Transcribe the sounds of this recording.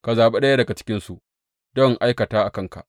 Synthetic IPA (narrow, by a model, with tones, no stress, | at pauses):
ka˨zaː˨ɓe˦ɗɐ˦ja˦dɐ˨ɡa˨t͡ʃɪ̥˦kʲɪ˦nsu˨ʔ | dɔ˦ŋʔa˦jkɐ˨taː˦ʔa˨kɐ˦ŋka̰˨ʔ